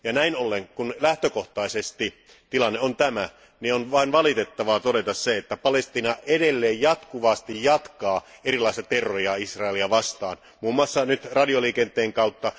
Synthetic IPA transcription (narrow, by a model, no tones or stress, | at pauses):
jɑnæinolːeŋkunlæht̪økoht̪ɑisest̪i | t̪ilɑnːeont̪æmæ | nionʋɑinʋɑlit̪et̪ːɑʋɑt̪odet̪ɑsseet̪ːæpɑlest̪iːnɑedelːeːjjɑt̪kuʋɑst̪ijjɑt̪kɑːerilˑɑˑisʲt̪ɑt̪erːojɑisrɑeliɑʋɑst̪ɑ̰ːn | muːmːuɑsːɑnyt̪rɑdioliːkent̪ˑeːŋkɑut̪ːɑ